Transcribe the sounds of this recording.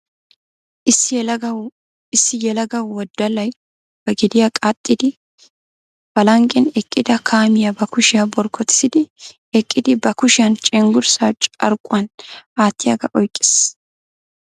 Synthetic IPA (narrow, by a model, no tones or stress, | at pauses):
ɪɐ | ɪsːɪjɛlɐɡɐwːɔd̪ːɐlɐj | b̥ɐɡɪd̪ɪjakʼat̪ʼːɪd̪ɪ | b̥ɐlɐŋkʼːɛnɛkʼːɪd̪ɐkʰaːmɪjɐbɐkʊʃɪjabɔɾkʰːɔt̪ɪ̥sɪd̪ɪ | ɛkʼːɪd̪ɪbɐkʊʃɪjɐnt͡ʃʼɛŋɡʊɾsaːt͡ʃʼɐ̰ɾkʼːʊɐnaːt̪ːɪjɐɡɐ̰ʔɔjkʼːɪ̥s